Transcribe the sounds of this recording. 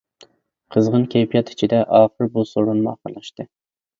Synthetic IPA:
qʰəzʁənkʲʰɛjpʰijɑt̪ʰi̥t͡ʃʰid̪ɛʔɑːχəɾbusoɾunmuɑ̰χəɾlˠɑʃt̪ɨ

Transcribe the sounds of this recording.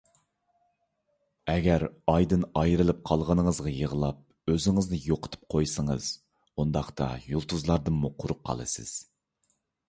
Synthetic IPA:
ɛɡʲɛɾɑjd̪ɨnɑjɾɨlˠɨp̚qʰɑlˠʁənɨŋəzʁɑjəʁəlˠɑp̚ | øzɪŋɪznɨjoqʰə̥t̪ʰɨ̥p̚qʰojsɨɴəz̥ | und̪ɑχt̪ʰɑ̰julˠt̪ʰuzlˠɑɾd̪ɨnmuqʰʊɾʊp̚qʰːɑ̰lˠɨ̰sɨ̰z̥

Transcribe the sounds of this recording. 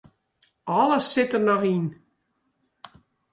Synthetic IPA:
ɔlˠəsɪtərnɔxin

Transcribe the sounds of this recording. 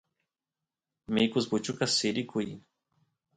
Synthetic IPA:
mekuzbut͡ʃukasiɾikui

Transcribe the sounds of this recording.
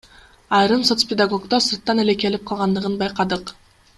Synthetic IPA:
ɑjɾɯmso̞t̪spʲɪd̪aɡo̞kt̪osɯɾt̪ːɑneleke̞lip̚qʰɑlˠʁɑnd̪ɯʁɯnbɑjqɑd̪ɯq

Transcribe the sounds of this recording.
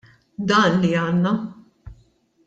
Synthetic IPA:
d̪ɐːnliɐːnːɐ

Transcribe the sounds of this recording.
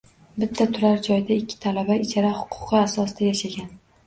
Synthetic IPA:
bɪt̪ʰːat̪ʰʊɾaɾd͡ʒɒjd̪aɪkʲʰːɪ̥t̪ʰalabaɪt͡ʃʰaɾahʊ̥qʰʊ̥qɨasɒsd̪̥ajaʃaɡʲan

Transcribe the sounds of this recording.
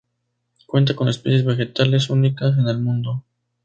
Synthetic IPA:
kwe̞nt̪ako̞nespesjezβe̞xe̞t̪ale̞s̬unikas̬e̞ne̞lmũnd̪o̞

